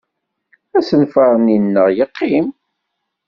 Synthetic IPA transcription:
æsənfɑɾˤninːəʁjəqʰːim

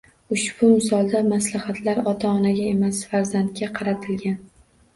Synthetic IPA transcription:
ʊʃb̥ʊmɪsɒlˠd̪amaslahat̪ʰlaɾɒt̪ʰaɒnaɡʲae̞masfaɾzant̪̚kʲaqʰɑɾat̪ʰɪlɡʲan

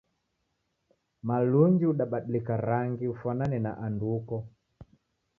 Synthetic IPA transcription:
maluɲd͡ʒiuɗaɓaɗilikaɾaŋɡiufananɛna̰ʔandukɔ

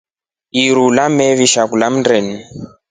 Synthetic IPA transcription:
iɾulamɛβiʃakulam̩ndɾɛni

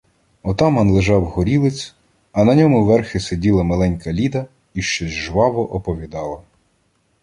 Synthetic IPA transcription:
ɔt̪ɑmɐnlˠeʒɑwɦɔɾʲilˠɪt͡sʲ | ɐnɐnʲɔmʊʋɛrxɪsedʲilˠɐmɐlˠɛnʲkɐlʲid̪ɐ | iʃt͡ʃɔzʲʒʋɑʋɔʔɔpɔʋʲid̪ɑlˠɐ

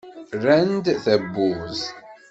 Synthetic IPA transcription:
rænd̪θæbːuz

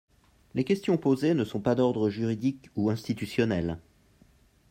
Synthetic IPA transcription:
lekʲɛst̪jɔ̃pozenəsɔ̃pad̪ɔʁd̪ʁəʒyʁid̪ikuɛ̃st̪it̪ysjɔnɛl

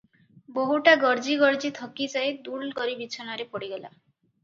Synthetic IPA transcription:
boɦuʈaɡɔɾd͡ʒiɡɔɾd͡ʒit̪ʰɔkit͡ʃaed̪ulkɔɾibit͡ʃʰɔnaɾepɔɽiɡela̰

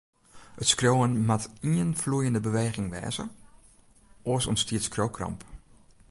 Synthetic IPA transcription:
ətskrjowənmatiənflujəndəbəʋeːɣɪŋʋɛ̰ːzə̰ | ʔosɔ̰nstiətskroːkʰrɑ̰mp

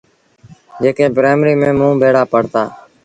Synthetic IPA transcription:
d͡ʒeːkẽːbɾeːmɾiːmẽːmũːbʱeːɽaːpəɽ̤t̪aː

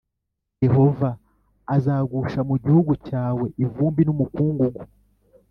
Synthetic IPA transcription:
je̞ho̞vaː | zaːɡuʃamuɟihuɡucaːwe̞ʔivuːmbinumukuːŋɡuɡu

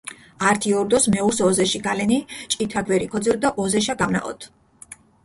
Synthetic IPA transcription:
aɾt̪ʰiɔɾd̪ɔsmɛusɔzɛʃiɡalɛnit͡ʃʼit̪ʰaɡvɛɾikʰɔd̪zɛɾd̪aʔɔzɛʃaɡamna̰ʔɔ̰t̪ʰ

